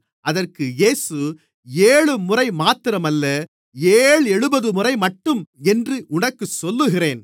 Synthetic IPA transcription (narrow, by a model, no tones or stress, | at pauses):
ʔɐðɐrkɯjeːsɯ | eːɻɯmʊrɐɪmaːt̪ɪɾɐmɐlːɐ | eːɭɛɻɯbɐðɯmʊrɐɪmɐʈːɯmɛndrɯʔʊɳɐkːɯsɔlːɯɣɪreːn